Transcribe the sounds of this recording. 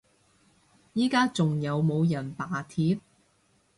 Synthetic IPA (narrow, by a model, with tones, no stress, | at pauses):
jiː˥kaː˥t͡sʊ˨ŋjɐ˨˧wmo˨˧wjɐ˨˩npaː˨˩t̪ʰiː˨˥p̚